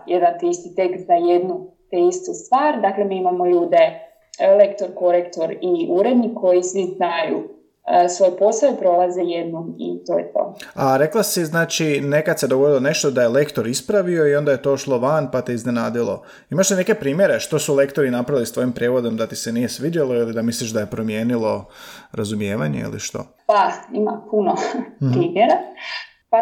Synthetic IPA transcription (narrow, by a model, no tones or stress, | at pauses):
jeɾat̪iist̪it̪ekt̪zaje̞d̪nut̪eist̪ust̪ʋaːɾd̪akle̞miimamo̞ʎuːd̪e̞ | lekt̪o̞ɾko̞ɾekt̪o̞ɾiʔuɾed̪niko̞jisʋiznajṵ | əsʋo̞juposajupɾo̞lˠazejed̪nomḭt̪o̞̰ːjet̪o̞̰aɾe̞klˠasiznaːt͡ʃine̞kad̪se̞d̪oɡo̞d̪ilone̞ʃt̪od̪aje̞le̞kt̪o̞ɾispɾaʋio̞io̞nd̪aje̞t̪o̞ʃlˠo̞ʋanpat̪iizne̞naːd̪ilˠo̞ | imaʃt̪ine̞ke̞pɾiːmjeɾe̞ʃt̪o̞sule̞kt̪o̞ɾinapɾaʋilist̪ʋo̞jimpɾʲjeːʋo̞d̪o̞md̪at̪ise̞nije̞sʋidalˠo̞ilid̪amisliʃd̪aje̞pɾo̞mje̞ːnilˠo̞ɾazumje̞ːʋaɲe̞̰ḭlḭʃt̪o̞̰ | paimapunopɾiːmjeɾa | pa